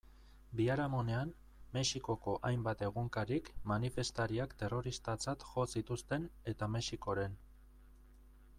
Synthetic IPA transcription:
biaɾamo̞ne̞am | me̞ʃiko̞ko̞ʔajmbat̪e̞ɣuŋkaɾikmanife̞st̪aɾiakt̪e̞ro̞ɾist̪at͡sat̪ʝo̞sit̪ust̪e̞ne̞t̪ame̞ʃiko̞ɾe̞n

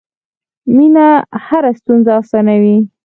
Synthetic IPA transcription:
minahaɾast̪unzaːsɑnawi

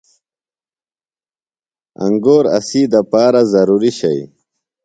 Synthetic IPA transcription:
a̰ŋɡoːɾa̰siːd̪apaːɾazɐɾuːɾiɕaj

